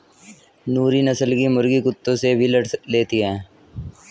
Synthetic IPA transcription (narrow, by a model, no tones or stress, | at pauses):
nuːɾinəsəlkimʊɾɡikʊt̪ːõsebʱiləʈleːt̪iɦɛ̃ː